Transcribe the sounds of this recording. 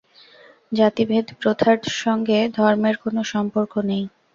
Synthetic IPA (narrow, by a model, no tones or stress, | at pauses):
d͡ʑat̪ibʱed̪ʱpɾot̪ʰaɾʃɔŋɡed̪ʱɔɾmeɾkonoʃɔmpoɾkonej